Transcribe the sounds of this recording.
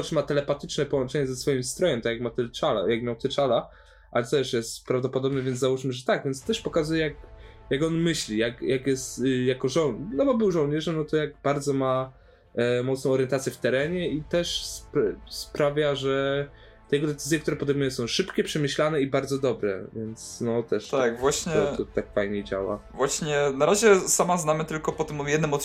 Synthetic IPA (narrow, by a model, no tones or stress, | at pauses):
t͡ʂɨmat̪ɛlɛpat̪ɘt͡ʂnɛpɔwɔnt͡ʂɛɲɛzɛsfɔjimst̪ɾɔjɛmt̪akjaɡmat̪ɛt͡ʂala̰jaɡmʲjawt̪ɛt͡ʂala | ʔa̰lɛt̪ɛʂjɛst̪pɾavd̪ɔpɔd̪ɔbnɛvjɛnzzawuʂmɘʐɛt̪aɡvʲjɛnt̪st̪ɛʂpɔkazujɛjak̚jaɡɔnmɘɕlʲijakjakjɛst̪jakɔʐɔwnɔbɔbɘwʐɔwɲɛʐɛmnɔt̪ɔjaɡbaɾd̪zɔma | mɔt̪snɔ̃w̃ɔɾjɛnt̪at̪sʲjɛft̪ɛɾɛɲɛit̪ɛʂspspɾavʲjaʐɛ | t̪ɛjɛɡɔd̪ɛt̪sɘzjɛkt̪uɾɛpɔd̪ɛjmujɛ̃sɔ̃w̃ʂɘpkʲɛpʂɛmʲɘɕlanɛibaɾd̪zɔd̪ɔbɾɛ̰vʲjɛnt̪snɔt̪ɛʂt̪akvwaɕɲɛɔt̪ɔt̪akfajɲɛd͡ʑa̰wa̰vwaɕɲɛnaɾaʑɛsamaznamɘt̪ɘlkɔpɔt̪ɨmjɛd̪nɨmɔt̪